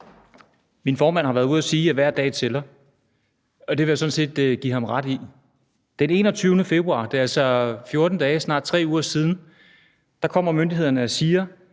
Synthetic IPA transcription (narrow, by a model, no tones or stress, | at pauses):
minfɒːmæn̰hɑʋæɐðˠuð̰ˠæsiːæʋæɐ̰d̥ɛ̰ːt͡sʰe̝lɐ | ɒ̽d̥e̝ʋe̝jasɒ̽n̩se̝̰ːd̥ɡ̥ihɑ̈mʁɑ̈d̥i | d̥ene̝̰ːnɒ̽t͡sʰyʊnəfe̝b̥ʁuɑ̰̈d̥e̝ælsɒfjo̝ɐd̥n̩d̥ɛːsnɑ̰̈ːd̥̚t͡sʰʁɛ̰ːuːɐsiːð̞ˠn̩ | d̥ɑ̈kʰɒ̽m̰ɐmønd̥iɦe̝ð̞̰ˠɐnəæsiːɐ